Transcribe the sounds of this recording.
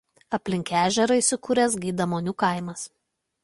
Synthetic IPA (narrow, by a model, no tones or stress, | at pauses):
ɐpʲlʲɪŋʲkʲæːʒʲɛɾɐɪsʲɪkuːɾʲɛsɡʲiːd̪ɐmoːnʲuːkɐɪmɐs